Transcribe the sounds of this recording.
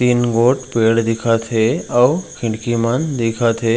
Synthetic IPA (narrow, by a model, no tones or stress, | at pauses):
t̪iːnɡoːʈpeːɽd̪ɪkʰat̪ʰeɐwkʰɪ̃ɳɖkimənd̪ɪkʰat̪ʰe